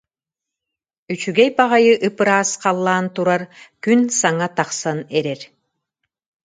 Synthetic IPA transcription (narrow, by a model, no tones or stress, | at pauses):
yt͡ʃyɡɛjpaʁajɯʔɯpɯɾaːsqalˠːaːnt̪uɾaɾkynsaŋat̪aχsanɛɾɛɾ